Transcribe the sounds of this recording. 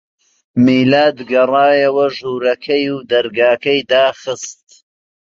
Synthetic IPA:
miːlaːd̪ɡɐrɑːjɐwɐʒuːɾɐkʰɐjuːd̪ɐɾɡaːkɐjd̪aːχɨst̪̚

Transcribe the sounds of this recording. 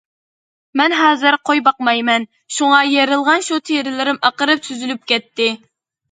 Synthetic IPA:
mɛnɦɑːzɨɾqʰojbɑqmɑjmɛn | ʃuŋɑjeɾɨlˠʁɑnʃut̪ʰeɾɪlɪɾɪmʔɑqəɾɨp̚t̪ʰyzylyp̚kʲɛt̪ːɪ

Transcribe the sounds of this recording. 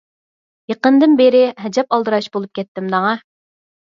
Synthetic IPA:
jeqənd̪ɨnbeɾɪɦɛd͡ʒɛpɑlˠd̪ɨɾɑʃbolˠup̚kʲɛt̪ːɪmd̪ɑŋɑ

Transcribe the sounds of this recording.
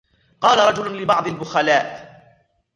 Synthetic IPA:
qɑːlaɾˤɑd͡ʒʊlʊlɪbɑʕd̪ˤɪlbʊxalaːʔ

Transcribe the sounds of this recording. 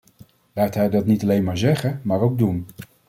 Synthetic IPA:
laːɹtɦɛjdɑtnitɑlejnmaːɹzɛχənmaːɹowɡ̚dun

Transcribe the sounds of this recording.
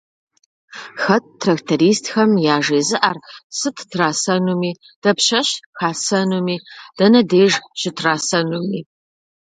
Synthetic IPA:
xɐt̚tʰːrɐktʰɐɾiːstxɐmjaːʐeːzɨʔaːrsɨtʰtʰraːsɐnumiː | d̥ɐpɕɐɕxaːsɐnumiːd̥ɐnɐdeːʐɕɪtʰraːsɐnumiː

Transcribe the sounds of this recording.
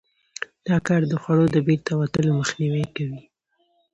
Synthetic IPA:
d̪̥ɑkɑɾd̪əxwaɽod̪əbeɾt̪awat̪əloməxniwəjkawi

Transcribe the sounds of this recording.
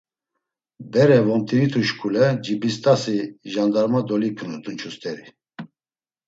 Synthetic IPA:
bɛɾɛvɔmt̪ʰʼiɾit̪ʰuʃkʰʼulɛd͡ʒibist̪ʼasiʒand̪aɾmad̪ɔlikʰnud̪unt͡ʃʰust̪ʼɛɾi

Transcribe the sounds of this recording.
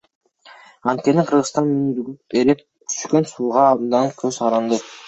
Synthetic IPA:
ɑnt̪̚kʲe̞niqʰɯɾʁɯst̪ɑnynɾyɡyeɾep | t̪ʰy̥ʃkø̞nsuːʁɑːbd̪ɑŋkʰøzqʰɑɾɑnd̪ɯ

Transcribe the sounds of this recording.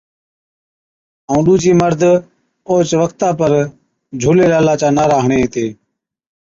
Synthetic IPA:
õːɗuːd͡ʒiːməɾd̪ʱ | oːt͡ʃʋəkʰt̪aːpəɾ | d͡ʒʱuːleːlaːlaːt͡ʃaːnaːɾaːɦɳẽːt̪eː

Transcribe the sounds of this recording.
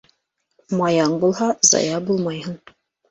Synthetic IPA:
mɑjɑɴbulˠhɑzɑ̰jɑbulˠmɑjɦɤɴ

